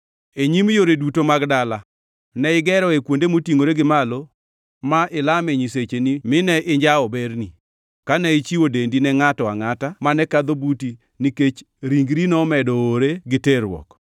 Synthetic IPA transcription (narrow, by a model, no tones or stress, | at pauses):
eɲimjoɾedutomaɡdala | nɛɪɡɛɾɔekwondemotiŋoɾeɡɪmalo | maʔɪlamɛɲiset͡ʃenimɪnɛʔɪɲd͡ʒaɔbeɾni | kanɛɪt͡ʃiwodendinɛŋatɔaŋatamanɛkad̪obuti | niket͡ʃ | ɾiŋɡɾinɔmɛdɔːɾeɡɪteɾwɔ̰k